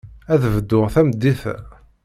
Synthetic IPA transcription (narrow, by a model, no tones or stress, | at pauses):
æðəvd̪ːʊʁθæmd̪ːiθæ̰